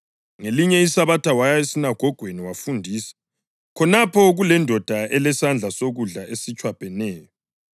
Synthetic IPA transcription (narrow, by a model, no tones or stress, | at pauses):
ŋeliɲɛisaβatʰawajaesinaɡ̥ʱɔɡ̥ʱweniwafundʱiːsḁ | kʰɔnapʰɔɣulɛndʱɔd̥ʱaɛlɛsand͡ɮʱasoɣuɮaʔesit͡ʃʼwapʼɛnɛːjɔ